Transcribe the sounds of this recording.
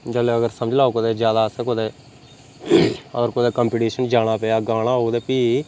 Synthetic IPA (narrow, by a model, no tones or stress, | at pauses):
d͡ʒəleəɡəɾsəmd͡ʒlaːukod̪eːd͡ʒjaːd̪aːəsẽːkod̪eː | əɡəɾkod̪eːkəmpiːʈiːʃənd͡ʒaːɽ̃aːpeːaːɡaːɽ̃aːɦoːd̪eːpiː